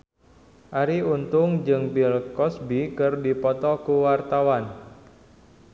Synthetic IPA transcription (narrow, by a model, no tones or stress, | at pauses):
ʔaɾiunt̪ʊŋd͡ʒɨŋbilkɔsbikɨrdipɔt̪ɔkuwart̪awan